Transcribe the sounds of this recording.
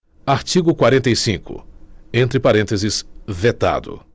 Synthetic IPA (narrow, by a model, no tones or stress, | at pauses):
aɾt͡ʃiɡʊkwaɾẽnt̪ejsĩkʊ̰ẽnt̪ɾɪpaɾẽnt̪ezɪsvet̪a̰d̪ʊ̰